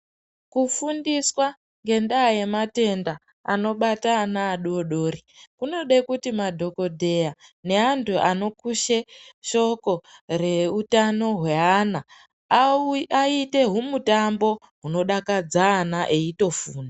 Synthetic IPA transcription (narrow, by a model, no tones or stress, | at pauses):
kufundiswa | ŋɡe̞ndaːje̞mate̞nda | a̰no̞ɓataːnaːɗoɗo̞ːrikuno̞ɗe̞kutimadʱo̞ko̞dʱe̞jane̞antʰuʔano̞kuʃeʃo̞ko̞re̞utano̞ɦwe̞ɦana | aite̞ɦumutambo̞ | ɦuno̞ɗakad͡zaːnaʔeito̞fuːna